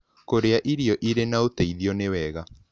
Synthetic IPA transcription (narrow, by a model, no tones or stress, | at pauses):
koɾeaʔiɾiɔʔiɾenaotaiðiɔnewɛɣa